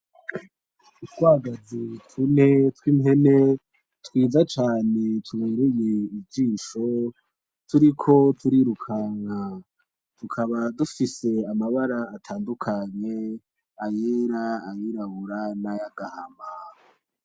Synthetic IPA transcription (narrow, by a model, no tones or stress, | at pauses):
utɡwaɡazitwunetwimɦe̞ne̞ | twiːzat͡ʃaːne̞tʰuβeːɾeje̞ivɟiːʃo̞ | tʰuɾikʰo̞tʰuɾiɾukʰaːŋ̥ha | tukʰaβadufise̞amaβaɾaːtʰaːndukʰaɲe̞ | ajeːɾaːjiɾaβuɾanajaɡahama